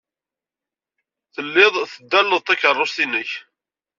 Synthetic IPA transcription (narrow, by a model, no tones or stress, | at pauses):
θəlːɪðˤθəd̪ːælːəðˤt̪ækərˤːost̪inəç